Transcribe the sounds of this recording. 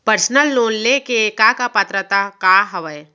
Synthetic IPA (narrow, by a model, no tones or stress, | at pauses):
pəɾsnəlːoːnlekekakapət̪ɾət̪akaɦɐʋəe